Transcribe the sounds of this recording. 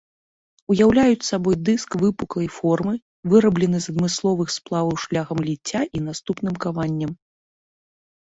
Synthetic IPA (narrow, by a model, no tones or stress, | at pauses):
ujawlʲajut͡sʲsabɔjd̪ɨskvɨpuklˠɐjfɔrmɨ | vɨɾɐblʲɛnɨzɐd̪mɨslˠɔvɨxsplˠavɐwʂlʲaxɐmlʲit͡sʲːaʔin̪ast̪upnɨmkavanʲːɐm